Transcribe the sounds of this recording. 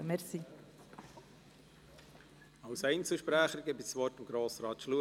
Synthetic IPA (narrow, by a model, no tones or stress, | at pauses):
mɛɾsi | ɑwsɛɪnt͡səlʃpɾæːχəɾɡəbisʋɔrtɑmɡɾoːsɾɑːt̪ʃluə